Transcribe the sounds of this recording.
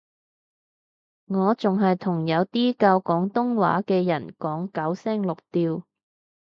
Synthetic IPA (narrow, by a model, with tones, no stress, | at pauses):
ŋɔː˨˧t͡sʊ˨ŋɦɐ˨jt̪ʰʊ˨˩ŋjɐ˨˧wt̪iː˥kaː˧wkɔː˨˥ŋt̪ʊ˥ŋwa̰ː˨˥kɛː˧jɐ̰˨˩nkɔː˨˥ŋkɐ˨˥wsɛː˥ŋlʊ˨k̚t̪iː˧w